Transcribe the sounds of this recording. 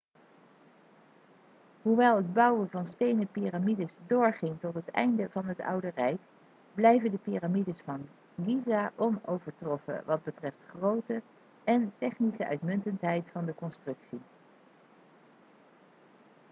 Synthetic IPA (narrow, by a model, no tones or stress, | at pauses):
ɦuʋɛlˠɦəd̚bɑwəvɑnstejnəpiramidəsdʊːɹχɪŋtɔtɦətɛ̰jndəvɑnɦətʌ̰wdərɛjk | blɛjvəndəpiramidəsfɑn | ɡizaʔɔnowvəɹtrɔfə̰ʋɑd̚bətrɛftχrowtə | ɛntɛχnisəʔœ̰ɥtmɵntəntɦɛjtfɑndəkɔnstrɵksi